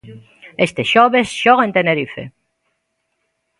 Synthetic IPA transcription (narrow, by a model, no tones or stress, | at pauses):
est̪esʃoβesʃoɣent̪eneɾifḛ